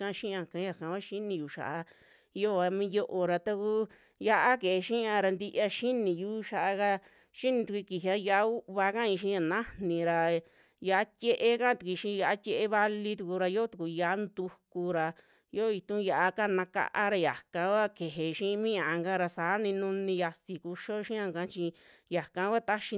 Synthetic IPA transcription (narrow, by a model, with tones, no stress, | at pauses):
kã˧ʃĩ˦˧ã˧kã˧˦ja˧˨kã˨˦ka˦ʃi˦nĩ˧ju˨ʃa̰˨ʔa˧˦ | jo˦˧a˧mĩ˦jo˦˧ʔo˧ɾa˧t̪a˦ku˦ | ja˧ʔa˦ke˨e˧ʃĩ˦ã˧ɾa˧nd̪i˧ʔa˧ʃi˦nĩ˨juː˦ʃa˧˨ʔa˧ka˧ | ʃi˦nĩ˧t̪u˧kʷi˧ki˨ɦa˧ja˧˦u˦βa˧kã˦ĩ˧ʃ̬ĩ˧˦a˧˨nã˦nĩ˨˧˨ɾa˧ | ja˧a˦t̪ʲe˦ʔe˦kã˦t̪u˧kʷi˧ʃĩ˧ja˧ʔa˦t̪ʲe˧ʔe˧βa˧li˧t̪u˧ku˧ɾa˧jo˦t̪u˨ku˧ja˧˦nd̪u˧ku˧ɾa˧ | jo˦i˧t̪ũ˦ja˧˨ʔa˧ka˦˧nã˧ka̰˧ʔa˦ɾa˧ja˨kã˧˦˧wa˦ke˨ɦe˨ʃĩ˦˧mĩ˦ã˨ʔa˧ŋɡa˦˧ɾa˧sa˨˦nĩ˧nũ˦˧nĩ˧ja˧si˨ku˧ʃo˦ʃĩ˦ã˧ŋkã˧˦t͡ʃi˧ja˨kã˧˦kʷa˦˧t̪a˦ʃi˧